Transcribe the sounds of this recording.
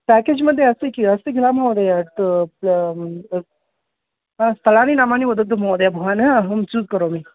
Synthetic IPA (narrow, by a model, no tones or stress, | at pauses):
pæked͡ʑməd̪ʱːjeəsikiəsiɡʱilam̤awd̪ejaʈ | ɦãst̪ʰəlañinamaniʋəd̪ət̪ːəm̤awd̪jabʱuɦanəɦmt͡suːzkəɾomiː